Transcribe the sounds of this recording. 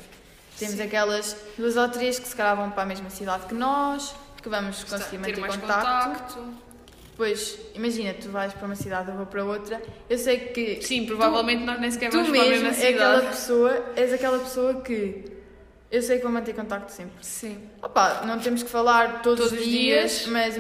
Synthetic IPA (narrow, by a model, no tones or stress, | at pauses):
t̪emuzɐkɛlˠɐʃd̪uɐzawt̪uɾiɐʃkɨ̥sɨ̥kɐʎavɐ̃w̃pɾameʒmɐsiðaðkɨnɔʃkɨvɐmuʃkõssɣiɾmɐ̃etɾemaʃkõnkt̪akt̪aukt̪u | pojʃimɐʒinɐt̪uvajʃpɾɐumɐsiðaðuvopɐɾɐot̪ɾɐewsejkɨsĩpɾuvavɛlˠmẽnt̪nɔʒnẽs̬kɛɾvɐummeʒmemɛɐðɛlðˠɐpɨ̥soɐɛzɐkɛlˠɐpɨ̥soɐkɨ | ewsejkvɐ̃mɐ̃nt̪eɾkõnt̪ak̚t̪u̥sẽmpɾsĩɔpanɐ̃w̃t̪emʊʃkfɐlˠaɾt̪oðzðuðʒðiɐʃmɐ